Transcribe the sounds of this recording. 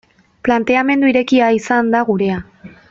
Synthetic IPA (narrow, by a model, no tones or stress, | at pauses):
plant̪e̞ame̞nd̪uiɾe̞kiaisand̪aɣuɾe̞a